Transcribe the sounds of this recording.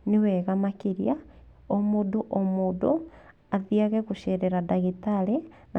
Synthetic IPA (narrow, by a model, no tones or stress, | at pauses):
niwɛɣamakiɾja | omoduʔomuːdo | aðiaɣɛɣuʃɛɾɛɾadaɣitaɾe | na